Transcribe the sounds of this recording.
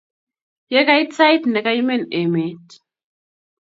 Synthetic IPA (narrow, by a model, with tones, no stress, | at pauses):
jɛ˦ka˦i˦t͡sa˦jtnɛ˨ka˦i˦mɛ˦˨ne˨me˨˦t